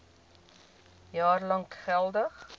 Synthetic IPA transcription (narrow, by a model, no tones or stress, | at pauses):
jɑːrlɐŋkχɛlˠdəχ